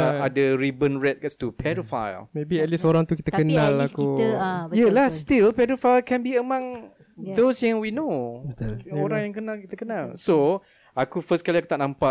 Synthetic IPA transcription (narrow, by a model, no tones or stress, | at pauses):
adaɹibənɹɛt̪̚ɡɛst̪upʰɛdofa̰jlmebiɛt̪̚lisoɾaŋt̪ukit̪əkənãlakujalahst̪ilpɛdofajlkɛ̃nbiəmãŋ | d̪osjãŋwinobət̪uloɾaŋjaŋkənalkit̪əkənalso | akufəskaliaku̥t̪aʔnãmpa